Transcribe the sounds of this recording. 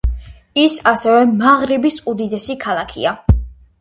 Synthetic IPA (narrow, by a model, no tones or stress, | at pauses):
isasɛvɛmaʁɾibisud̪id̪ɛsikʰalˠakʰḭa